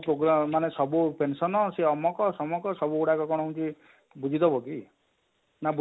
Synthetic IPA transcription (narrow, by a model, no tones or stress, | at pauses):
pɾoɡɾamanesɔbupensɔnɔseɔmɔkɔsɔmɔkɔsɔbuːɽakɔkɔɽ̃ɔɦunt͡ʃi | bud͡ʒʱit̪ɔbɔki | nabu